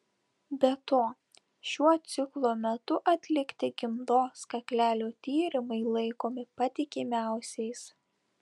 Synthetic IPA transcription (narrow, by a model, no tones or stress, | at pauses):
bʲɛt̪oː | ʃʲuɔt̪sʲɪklˠoːmʲɛt̪ʊʔɐt̪ʲlʲɪkt̪ʲɪɡʲɪmd̪oːskɐkʲlʲæːlʲoːt̪ʲiːɾʲɪmɐɪlˠɐɪkoːmʲɪpɐt̪ʲɪkʲɪmʲæˑʊsʲɛɪs